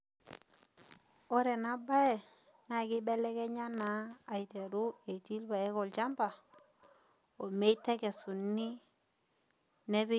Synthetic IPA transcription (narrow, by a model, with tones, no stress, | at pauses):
o˦ɾe˨na˨˦ba˦e˨ | na˨ki˦be˦le˦ke˦ɲa˦naː˨i˨te˨ɾu˦e˨ti˦lba˨e˦ko˨lt͡ʃa˦mba˨ | o˨me˦i˦tːe˦ke˨su˨nːi˦ | ne˦βi˦